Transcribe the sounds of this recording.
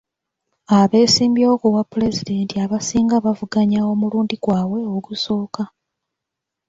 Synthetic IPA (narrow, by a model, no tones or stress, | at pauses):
aβe̞ːsiːmbjokuwapːule̞zide̞ntiaβasiːŋɡaβavuɡaɲao̞muluːndiɡwaːwe̞oɡuso̞ːka